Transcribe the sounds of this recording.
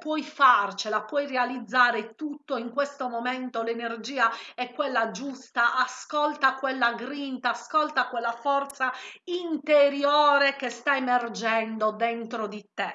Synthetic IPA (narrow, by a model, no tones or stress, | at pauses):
pwɔjfart͡ʃelapwɔjrealid̪zːaːɾet̪ut̪ːoiŋkwest̪omomɛnt̪olenerd͡ʒiːaɛkːwelːad͡ʒust̪aʔaskɔlt̪akwelːaɡɾint̪aːskɔlt̪akwelːafɔrt̪saint̪eɾjɔːɾekest̪aemerd͡ʒɛnd̪od̪ent̪ɾod̪it̪e